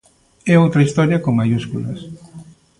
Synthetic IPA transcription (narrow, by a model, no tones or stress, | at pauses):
ɛowt̪ɾɐist̪ɔɾjɐkoŋmajuskulɐs